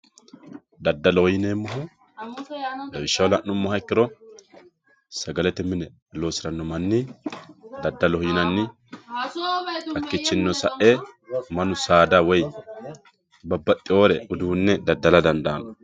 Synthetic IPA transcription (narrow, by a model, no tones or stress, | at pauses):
d̪ɐd̪ːɐlɔhjɪneːmːɐɦʊ | b̪ɐbɪʃːɐwlɐʔnʊmːɔhɐɪkːɪɾɔ | sɐɡɐlɛt̪ɛmɪnɛ | lo̞ːsɪɾɐnːɔmɐnːɪ | d̪ɐd̪ːɐlɔhjɪnɐnːɪ | ɐkːɪt͡ʃːɪnːɔsɐʔemɐnʊsaːd̪ɐwɔj | bɐbːɐt̪ʼːɪo̞ːɾɛʊd̪uhʊnːɛd̪ɐd̪ːɐlɐd̪ɐnd̪aːnɔ